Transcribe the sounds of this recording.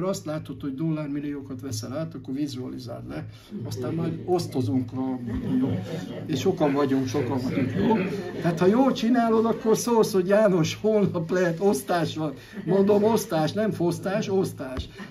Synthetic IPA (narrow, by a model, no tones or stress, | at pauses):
ɾɒst̪laːt̪o̞t̪ho̞ɟd̪o̞lːaːrmilːioːkɒt̪ʋɛsɛlaːt̪ɒkːo̞rʋizuɒlḭza̰ːllɛ | ɒst̪aːmːɒjd̪o̞st̪o̞zuŋkrɒmjo | eːʃʃo̞kɒɱvɒɟuŋkʃo̞kɒɱvɒɟuŋkjoːt̪aːt̪hɒjoːlt͡ʃinaːlo̞d̪ɒkːorsoːlsho̞ɟjaːno̞ʃhoːlnɒplɛɦɛt̪o̞st̪aːʃʋɒn | mo̞nd̪o̞mo̞st̪aːʃnɛɱfo̞st̪aːʃo̞st̪aːʃ